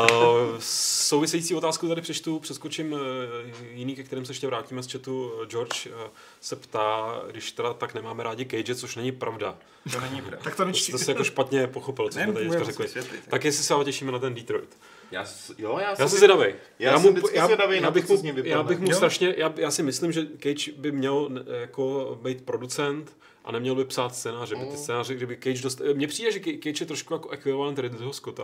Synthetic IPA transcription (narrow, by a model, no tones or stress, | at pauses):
sowvɪsɛjit͡siːo̞t̪aːskut̪adɪpr̥ɛt͡ʃt̪upr̥ɛskot͡ʃɪm | jɪniːkɛkt̪ɛɾiːms̬ɛɛʃcɛvɾaːciːmɛst͡ʃɛt̪ud͡ʒoɾt͡ʃ | sɛpt̪aːɡdɪʃt̪ɛdat̪aknɛmaːmɛɾaːɟɪkɛjd͡ʒɪt͡soʃnɛɲɪpɾʔavda̰ | nɛɲɪakt̪osɛsɛjakkoʃpat̪ɲɛpo̞xopɪlt͡sosmɛt̪aɛkaɾɛklɪ̰akjɛsɪsɛalocɛʃiːmɛnat̪ɛndit̪ɾo̰jt̪ | jaːjojajaːsɛzɛdavɛj | jajaːmuɪpjaːɛdavɛjjaːbɪxmuɲɛɡdɪjaaːbɪxmust̪ɾaʃɲɛjaːjaːsɪmɪslɪmʒɛkɛjt͡ʃbɪmɲɛlnjakobɛjt̪̚pɾo̞dut͡sɛnt̪ | ʔa̰nɛmɲɛlbɪpsaːt̪st͡sɛːnaːrɛbɪt̪ɪst͡sɛːnaːrɛɡdɪbɪkɛjd͡ʒdost̪mɲɛpr̥iːdɛʒɛkkɛjt͡ʃjɛt̪ɾoʃkujakoʔɛxvɪovaːnt̪ɛdɪd̪ot̪oɦoskot̪a̰